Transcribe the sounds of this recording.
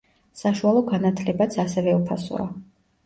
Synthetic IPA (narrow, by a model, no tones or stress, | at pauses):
saʃualˠɔɡanat̪ʰlɛbat̪sʰasɛvɛupʰasɔ̰a̰